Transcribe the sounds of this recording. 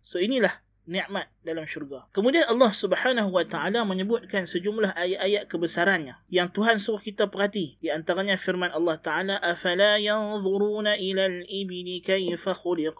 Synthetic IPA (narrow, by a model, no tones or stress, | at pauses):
soinilah | niʔmat̪̚dalamʃurɡakəmudianʔɑlːɑhsubħanaɦuwat̪aʕalaməɲəbʊt̪̚kansəd͡ʒumlaɦʔajaʔajaʔ̪̚kəbəsaɾanɲajaŋt̪uɦansuʊhkit̪apərɦat̪idiant̪aɾaɲafirmanʔɑlːɑht̪aʕalaʔafalajɑnðˤuɾuːnaʔilalʔɪbɪlikajfaxʊlɪq